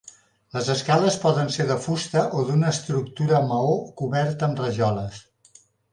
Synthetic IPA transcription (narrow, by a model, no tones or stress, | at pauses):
ləzəskaləspɔðənseɾðəfust̪əʔoðunəːst̪ɾuk̚t̪uɾəməokuβɛɾt̪əːmrəʒɔləs